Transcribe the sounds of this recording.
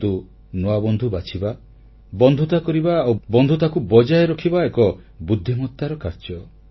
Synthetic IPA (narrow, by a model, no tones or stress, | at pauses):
t̪u | noabɔnd̪ʱubat͡ʃʰiba | bɔnd̪ʱut̪akɔɾibaːwbɔnd̪ʱut̪akubɔd͡ʒajɔɾɔkʰibaekɔbud̪ʱːimɔt̪ːaɾɔkaɾd͡ʒɔ